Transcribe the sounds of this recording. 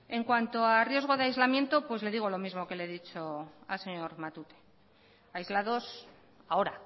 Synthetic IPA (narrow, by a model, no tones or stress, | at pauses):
e̞ŋkwant̪o̞arje̞zɣo̞ð̞eajzlamjent̪o̞pwe̞zle̞ðiɣ̞olo̞mizmo̞ke̞leðit͡ʃo̞a̰lse̞ɲo̞ɾmat̪ut̪e̞̥ | ajzlaðo̞s | ao̞ɾa